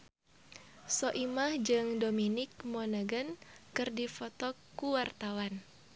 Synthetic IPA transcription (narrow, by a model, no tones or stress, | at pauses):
soʔimahd͡ʒɨŋdominɪk̚mɔnaɡənkɨrdifɔt̪ɔkuwart̪awan